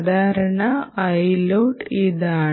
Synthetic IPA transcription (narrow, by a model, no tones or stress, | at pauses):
d̪ʱaːɾɐɳɐːjloːɖiðaː